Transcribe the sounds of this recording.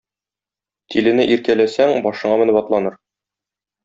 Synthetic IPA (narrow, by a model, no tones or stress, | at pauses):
t̪ʰilɘ̆nɘʔiɾkælæsæŋbɒʃɤ̆ɴɑmɘ̆nɘpɒt̪lˠɑnɤɾ